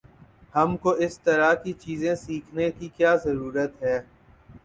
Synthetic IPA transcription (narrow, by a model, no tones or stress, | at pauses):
hɐmkoʔɪst̪əɾakit͡ʃiːzẽsiːkʰnekikjaːzəɾuːɾət̪ɦɛː